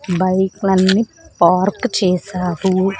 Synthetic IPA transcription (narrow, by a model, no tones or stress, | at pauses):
bɐjklɐnːipaːɾkt͡ʃɛːsaːɾu